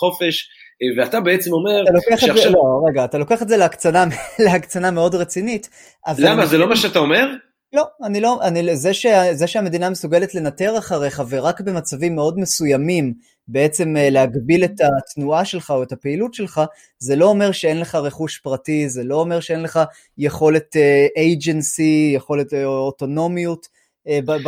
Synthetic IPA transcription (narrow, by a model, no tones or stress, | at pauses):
χo̞feʃ | veat̪abeet͡semo̞me̞ʁtalokeaχaeloʁe̞ɡaːt̪alo̞keaχetzeleakt͡sanamleakt͡saname̞o̞dʁet͡sinit | ʔazlamazelo̞maʃeat̪aome̞ʁ | lo̞anilo̞ʔanizeʃeazeʃeame̞d̪inamesuɡeletle̞nate̞ʁaχaʁeχave̞ʁakbe̞mat͡savimːeo̞dmesujamim | be̞et͡se̞mlehaɡbile̞tatnuaʃe̞lχao̞etapeilutʃelχa | zelo̞ome̞ʁʃeenleχaʁeχuʃpʁatizelo̞ːme̞ʁʃeenle̞χa | jeχo̞le̞teʔejd͡ʒensijeχo̞le̞toto̞no̞miut | b